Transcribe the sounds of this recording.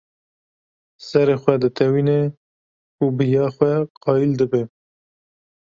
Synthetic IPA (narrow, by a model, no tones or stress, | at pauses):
sɛɾeːxʷɛd̪ɨt̪ʰɛwiːne | ubɨjɑːxwɛqɑːjild̪ɨbe